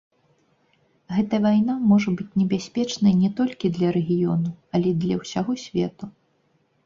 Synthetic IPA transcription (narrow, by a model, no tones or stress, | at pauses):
ɣɛt̪ɐjɐvajnamɔʐɐbɨt͡sʲnʲɛbʲasʲpʲɛt͡ʂnɐjnʲɛt̪ɔlʲkʲid̪lʲɐɾɛɣʲijɔ̰nuɐlʲɛd̪lʲɐwsʲaɣɔsʲvʲɛt̪u